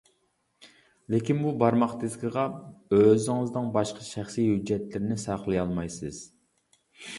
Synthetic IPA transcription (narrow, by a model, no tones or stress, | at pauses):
lɪkʲinbubɑɾmɑqt̪ɪzɡʲiʁɑøzɪŋɨznɨŋbɑʃqʰɑʃæχsijhyd͡ʒːɛt̪lɪɾɪnɪsɑqlˠɨjɑlˠmɑjsɨz̥